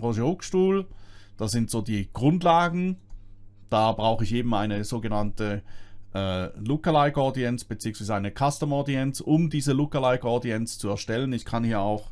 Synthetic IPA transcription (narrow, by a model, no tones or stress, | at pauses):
ʁoːʒəʁʊkʃtuːld̥asz̥ɪntz̥oːdiːɡ̥ʁʊntlaːɡŋ̩ | d̥aːbʁaʊxəɪçʔeːbm̩aɪnəz̥oːɡənantəʔɛːlʊkɐlaɪɡɔdiɛnt͡sb̥ət͡siːəŋsv̥iːzəaɪnəkʰastəmɔɐdiɛnt͡sʊmdiːzəlʊkɐlaɪɡɔdiɛnt͡st͡suɛɐʃtɛlənɪçkʰanhiːɐaʊx